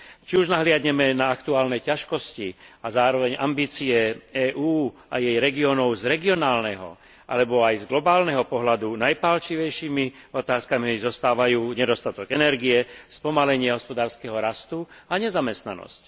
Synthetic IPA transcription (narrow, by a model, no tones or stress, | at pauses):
t͡ʃiuʒnaɦlɪadɲɛmɛnaakt̪uaːlnɛjcaʃkɔsciazaːɾɔʋɛɲʔa̰mbiːt͡siɛɛːʔuːajɛjɾɛɡiɔnɔʊzɾɛɡiɔnaːlnɛɦɔ̰ | ʔa̰lɛbɔajzɡlɔbaːlnɛɦɔpɔɦlad̪unajpaːlt͡ʃiʋɛjʃiːmi | ɔt̪aːskamizɔst̪aːʋajuːɲɛd̪ɔst̪at̪ɔɡɛnɛɾɡiɛspɔmalɛɲɪɛɦɔspɔd̪aːɾskɛɦɔɾast̪uaɲɛzamɛst̪nanɔ̰sc